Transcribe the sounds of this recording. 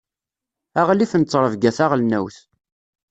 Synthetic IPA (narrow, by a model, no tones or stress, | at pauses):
æʁliθənt͡sːɾˤəvɡæθaʁlnæwθ